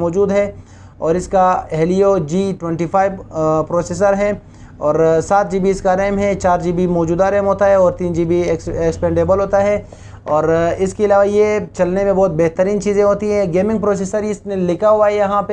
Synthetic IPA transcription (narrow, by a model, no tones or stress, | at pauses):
mɔːd͡ʒuːd̪ɦɛ | ɔːɾɪskaɛɦliod͡ʒiːʈwɛ̃ɳʈifʰaːɪʋpɾoːseːs̬əɾɦɛ | ɔːɾsaːt̪̚d͡ʒibiːskaɾɛːmɦɛt͡ʃaːɾd͡ʒiːbʱimɔːd͡ʒuːd̪aɾɛːmɦoːt̪aɦɛɔːɾt̪iːnd͡ʒibʱiekspɛ̃ːɳɖeːbəlɦoːt̪aɦɛ | ɔːɾɪskeɪlaːʋajet͡ʃɐlnemẽbɔːt̪̚bɛɦt̪əɾiːnt͡ʃiːzẽɦoːt̪iɦɛ̃ɡeːmɪ̃ŋɡpɾoːs̬eːsəɾeɪsnẽlɪkʰaɦʊaɛjɐɦãpe